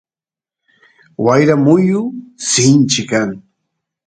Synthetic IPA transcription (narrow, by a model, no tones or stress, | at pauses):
wajɾamʊjʊsɪnt͡ʃɪkaŋ